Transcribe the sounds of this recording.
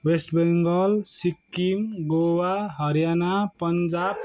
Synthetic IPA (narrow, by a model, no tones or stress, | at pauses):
wesʈbeŋɡʌlsikːimɡowaɦʌɾjanapʌnd͡ʒab̚